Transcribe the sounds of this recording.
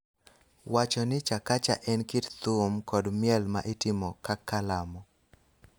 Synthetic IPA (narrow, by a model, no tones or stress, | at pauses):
wat͡ʃɔnɪt͡ʃakat͡ʃa̰ʔɛnkitt̪umkɔdmjɛlmaʔitɪmɔkakːalamɔ